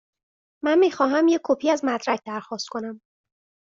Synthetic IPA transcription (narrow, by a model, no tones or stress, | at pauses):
mænmiːxɒːɦæmjekʰːopʰiːæzmæd̪ɾæc̚ʰd̪æɾxɒːst̪̚kʰo̞næm